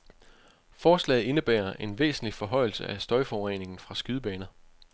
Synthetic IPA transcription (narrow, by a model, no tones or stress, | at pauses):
fɒːslɛ̰ːð̩ˠe̝nəb̥æ̰ːɐʔe̝nʋḛːsn̩lifɒ̽ɦɒ̽ɪ̰l̩səʔæsd̥ɒ̽ɪfɒʊʁḛne̝ŋn̩fʁɑ̈sɡ̥yðˠb̥ɛːnɐ